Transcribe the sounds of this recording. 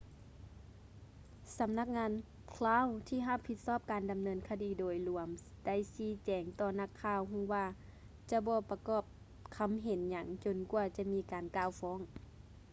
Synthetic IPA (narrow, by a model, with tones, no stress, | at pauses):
sa˨˦mna˧k̚ŋaː˧n | kʰlaː˧˥˨wt̪ʰiː˧˨ɦa˧˨pʰːi˧t̪̚sɔː˥˩p̚kaː˨nda˨mnɤː˧nkʰa˧diː˨˦doː˨˩jlu˨˩˦əm | d̥a˧˥˩jsiː˧˥˦t͡ɕɛː˨˦ŋt̪ɔː˧˩na˧˩˨kʰːaː˧˩˨wɦu˧˥˨ŋwaː˧˩ | t͡ɕa˧˦bɔː˧pa˧kɔː˧˩p̚ | kʰa˧˦mɦe˨˦nɲa˧˦ŋt͡ɕo˨nku˧t͡ɕa˧miː˧˥˨kaː˨nkaː˧˨wfɔː˧˥˨ŋ